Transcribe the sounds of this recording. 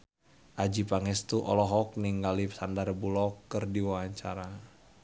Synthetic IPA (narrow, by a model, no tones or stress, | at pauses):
ʔad͡ʒipaŋɛst̪uʔɔ̰lɔɦɔk̚niŋɡalipsandaɾəbulɔkːɨrdiwaaɲt͡ʃaɾa